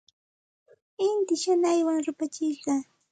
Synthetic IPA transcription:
ɪnt̪ɪʃanajwaŋɾʊpat͡ʃɪɢɑ

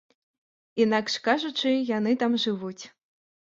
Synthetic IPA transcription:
inakʂkaʐut͡ʂɨjanɨt̪amʐɨvut͡sʲ

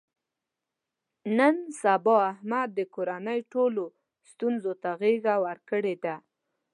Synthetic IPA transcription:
nənsabɑahmad̪̚ːəkoɾanəjʈolo | st̪unzot̪aɣeɣawəɾkəɽed̪a

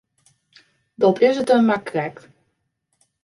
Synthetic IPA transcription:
dɔtɪsətənmakrɛkt

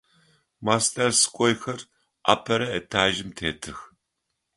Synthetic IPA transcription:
maːstʰʼɐrsɨ̥kʷʼɔjxɐr | ʔa̰ːpʰɐɾɐɛtʰaːʒɪmtʰeːtʰɨx

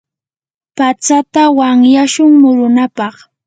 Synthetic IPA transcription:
pat͡sat̪awaŋjaʃʊŋmʊɾʊnapɑχ

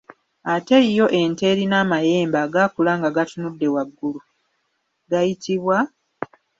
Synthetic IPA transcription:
ate̞ijo̞ʔe̞nte̞ːɾinaːmaje̞ːmbaːɡakulaːŋɡaɡatunudːe̞waɡːulu | ɡajitiβwa

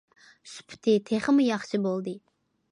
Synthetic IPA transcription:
spʰy̥t̪ʰɪt̪ʰeχɨmɨjɑχʃɨbolˠd̪ɨ

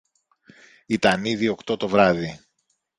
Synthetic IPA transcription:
it̪ɐniðio̞kt̪o̞t̪o̞vɾɐði

